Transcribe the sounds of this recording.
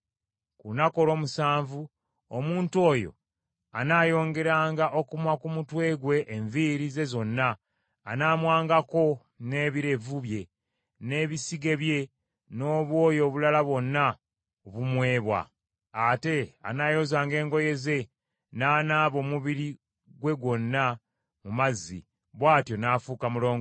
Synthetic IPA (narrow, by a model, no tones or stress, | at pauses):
kunako̞ɾo̞ːmusaːɱvu | omuːntuo̞ːjo̞̰ | anajo̞ːŋɡe̞ɾaːŋɡaʔo̞kumwakumutwe̞ːɡwe̞ʔːɱviɾize̞zo̞nːaː | naːmwaːŋɡako̞ | ne̞ːβiɾe̞vuβje̞ | ne̞ːβisiɡe̞βje̞ | no̞ːβwo̞ːjo̞ːβulalaβwo̞nːa | oβumwe̞ːβwa̰ | ate̞a̰naːjo̞zaːŋɡe̞ːŋɡo̞je̞ze̞ | naːnaːβo̞ːmuβiɾi | ɡwe̞ɡwo̞nːa | mumazːḭ | βwaːtjo̞naːfukamulo̞ːŋɡo